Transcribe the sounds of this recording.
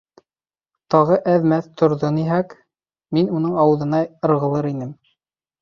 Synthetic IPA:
t̪ɑʁɤʔæðmæθt̪ʰŏɾðoniɦæk | minunɤɴɑwɤ̆ðɤ̆nɑɤ̆ɾʁɤ̆lˠɤɾinɘm

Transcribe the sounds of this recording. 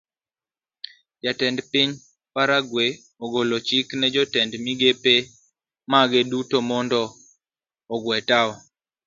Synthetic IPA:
d͡ʒatɛndpiɲ | paɾaɡwe | oɡolot͡ʃiknɛd͡ʒɔtɛndmiɡepe | maɡedutomɔndɔː | ɡwɛtaɔ

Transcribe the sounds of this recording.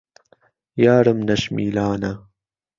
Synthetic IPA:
jaːɾəmnɐʃmḭːlaːna

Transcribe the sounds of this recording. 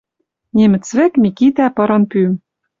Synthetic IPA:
nʲemɘ̆t͡svɘ̆kmʲikit̪æpɤ̆ɾɤ̆npym

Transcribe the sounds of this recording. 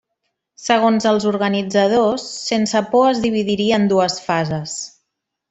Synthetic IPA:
səɣ̞onzəlˠzuɾɣənid͡zəð̞osːensəpɔəzðiβ̞iðiɾiəːnd̪uəsfazəs

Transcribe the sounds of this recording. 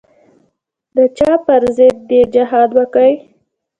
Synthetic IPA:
d̪ət͡ʃɑpəɾzɪd̪̚ːed͡ʒɪɦɑd̪wəkəj

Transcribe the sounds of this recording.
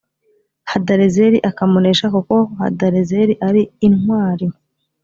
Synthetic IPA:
hadaɾezeɾiʔakamoneʃakuko̞ha̰daɾezeɾiʔaɾiːnwaːɾi

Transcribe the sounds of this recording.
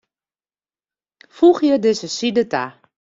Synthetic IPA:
fuxjədɪsəsidəta̰

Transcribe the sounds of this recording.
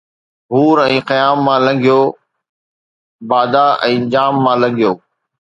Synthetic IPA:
ɦuːɾɛ̃ːqəjaːmːãːlə̃ŋɡʱijoː | baːd̪aʔɛ̃ːd͡ʑaːmːãːlə̃ŋɡʱɪjoː

